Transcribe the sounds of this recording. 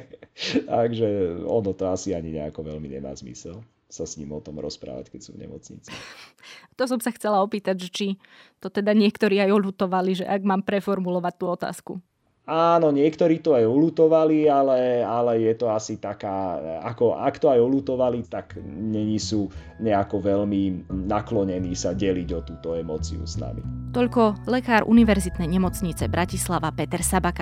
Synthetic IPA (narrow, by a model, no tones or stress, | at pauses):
t̪aɡʒɛɔnɔt̪ɔasiaɲiɲɛ̰a̰kɔʋɛʎmḭɲɛ̰ma̰ːzmḭsɛl | sasɲḭːmɔt̪ɔmɾɔ̰spɾa̰ːʋa̰ckɛcsṵːvɲɛ̰mɔ̰t͡sɲḭt͡si | t̪ɔs̬ɔmsaxt͡sɛlaɔpiːt̪aɟʒɛt͡ʃi | t̪ɔt̪ɛd̪aɲɪɛkt̪ɔɾiːajɔlut̪ɔʋaliʒɛ̰ʔaɡmaːmpɾɛfɔɾmulɔʋac̚t̪uːɔt̪a̰ːskṵ | aːnɔɲɪɛkt̪ɔɾiːt̪ɔajɔlut̪ɔʋalialɛalɛjɛt̪ɔasit̪akaːa̰kɔa̰kt̪ɔajɔlut̪ɔʋalit̪akɲɛɲisuː | ɲɛakɔʋɛʎminaklɔɲɛniːsaɟɛliɟɔt̪uːt̪ɔɛmɔ̰ːt͡sḭṵsna̰mḭt̪ɔʎkɔlɛkaːɾʔṵniʋɛɾzit̪nɛjɲɛmɔt͡sɲit͡sɛbɾʔacislaʋapɛt̪ɛɾsabaka